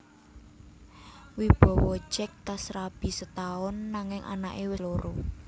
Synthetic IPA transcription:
wib̥ɔ̤wɔ̥t͡ʃɛk̚t̪asɾab̥i̤sət̪aʊnːaŋɪŋʔa̰na̰ʔewɪloɾo

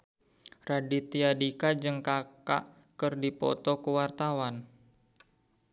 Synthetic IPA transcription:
radit̪iadikad͡ʒɨŋkaka̰ʔ | kɨrdipɔ̰t̪ɔkuwart̪awan

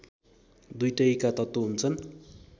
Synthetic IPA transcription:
d̪ujʈʌikat̪ʌt̪ːoɦunt͡sʰʌn

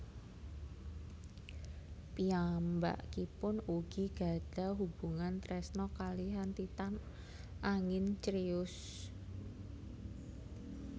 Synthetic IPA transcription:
piamba̰ʔkipʊnuɡ̥iɡ̥a̤ɖ̥a̤ɦub̥uŋant̪ɾɛsnɔkaliɦant̪it̪an | ʔaŋɪnt͡ʃɾiʊs

